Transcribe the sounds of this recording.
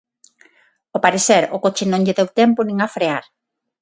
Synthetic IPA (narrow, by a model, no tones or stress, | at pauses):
opaɾeθɛɾʊkot͡ʃɪnõŋʎɪðɛwt̪ɛmpʊnĩŋafɾeaɾ